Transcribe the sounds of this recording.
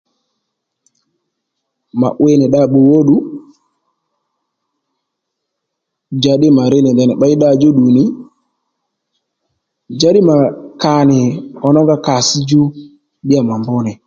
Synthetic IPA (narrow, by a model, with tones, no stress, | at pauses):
ma̰˨ʔwe˦nɪ˨ɗa˦˨ɓu˨wo˦ɗu˦ | d͡ʒa˨˦ɗɪ˦ma˨ɾɪ˦nɪ˨nd̪ɛ˨nɪ˨ɓa˦ɪ˦ɗa˦˨d͡ʒu˦ɗu˨nɪ˨˦ | d͡ʒa˦ɗɪ˦ma˨ka˨nɪ˨ɔ˨nɔ˦ŋɡa˦ka˨sɪ˦d͡ʒu˦ | ɗɪ˦a˨ma˨mbʊ˦nɛ˨